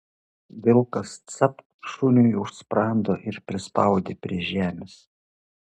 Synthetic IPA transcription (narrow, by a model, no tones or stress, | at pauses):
ʋʲɪlˠkɐst̪sɐp | ʃʊnʲʊjʊʃspɾɑˑnd̪oːʔɪɾpʲɾʲɪspɑˑʊd̪ʲepʲɾʲiɛʒʲæːmʲes